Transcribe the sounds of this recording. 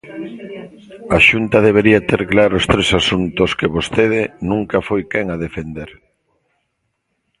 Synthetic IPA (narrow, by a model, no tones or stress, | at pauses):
aʃunt̪ɐðeβ̞eɾiat̪eɾklaɾoost̪ɾesasunt̪oskeβost̪eð̞ɪnũŋkɐfojkɛŋaðefend̪eɾ